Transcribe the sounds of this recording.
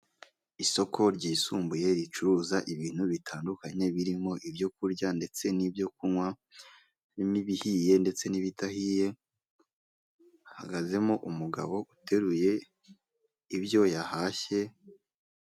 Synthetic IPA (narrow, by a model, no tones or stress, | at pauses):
iso̞kʰo̞ɾɟiːsuːmbuje̞ɾit͡ʃuɾuːzaʔiβiːn̥huβitʰaːndukaɲe̞βiɾimo̞ʔibjo̞kuɾɟande̞t͡se̞nibjo̞kunŋwa | miβihije̞nde̞t͡se̞niβitahiːje̞ | ha̰ɡaze̞moʔumuɡa̰βo̞ʔute̞ɾuje̞ | ibjo̞jahaːçe̞